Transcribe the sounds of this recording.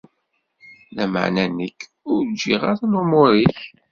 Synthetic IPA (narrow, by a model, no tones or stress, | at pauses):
læmə̰ʕnænəkː | ʊɾd͡ʒːiʁaɾnʊmʊɾiç